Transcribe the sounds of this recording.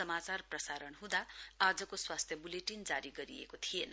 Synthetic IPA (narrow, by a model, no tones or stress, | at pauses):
ʌmat͡sarprʌsaɾʌnɦũd̪aad͡zʌkoswast̪ʰjʌbuleʈind͡zaɾiɡʌɾiḛkot̪ʰien